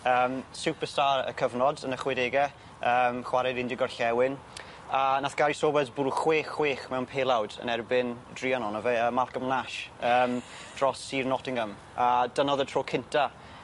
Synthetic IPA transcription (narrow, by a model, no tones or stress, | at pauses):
əːmsupəstaːɾə̰kʰəvnɔdənəχwɪdeːɡɛ | əːmχwaɾɛdɪndɪɡɔrɬɛwɪn | anaθɡ̥aɾisoːbɛsbuɾχweːχweːχmɛwnpʰeːlˠawdə̰nɛrbɪn | driːanɔnɔvɛəmalˠkəmlnaʃəːmd̥rɔsiːrnɔtɪŋəm | ad̥ənɔðətʰroːkʰɪntʰa